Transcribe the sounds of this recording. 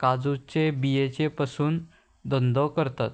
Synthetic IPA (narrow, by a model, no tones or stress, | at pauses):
kad͡zut͡ɕebijet͡ɕepasuːn | d̪ɔnd̪ɔkəɾt̪at̪